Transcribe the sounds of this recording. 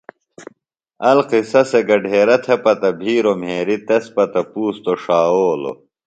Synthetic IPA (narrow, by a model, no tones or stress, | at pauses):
ɐlqisɐseɡɐɖʱeːɾɐt̪ʰɐpɐt̪ɐbʱiːɾomɦeːɾit̪ɐspɐt̪ɐpuːst̪oʂaːoːlo̰